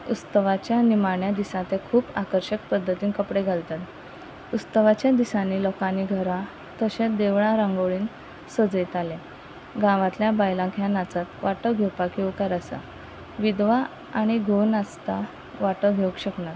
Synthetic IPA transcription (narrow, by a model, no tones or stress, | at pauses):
ut͡st̪əʋat͡ɕjanimaɳjad̪isãt̪ekʰuːpakəɾɕək̚pəd̪ʱːət̪iːnkəpɽeɡʱalt̪at̪ | ut͡st̪əʋat͡ɕjad̪isãnːiːlɔkaniɡʱəɾã | t̪əɕẽd̪eʋɭ̃ãɾãŋɡoɭiːn | səd͡zit̪ale | ɡãʋãt̪ljabajlãɡʱjãnat͡sat̪ʋaʈəɡʱewpakewkaɾasa̰ | ʋid̪ʋa | aɽ̃iɡʱonast̪a | ʋaʈəɡʱeukɕəknat̪